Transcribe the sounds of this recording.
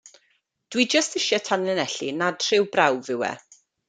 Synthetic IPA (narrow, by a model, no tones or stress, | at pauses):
d̥wid͡ʒəstɪʃɛtʰanɛnɛɬinad̥r̥ɪwbrawvɪwɛ̰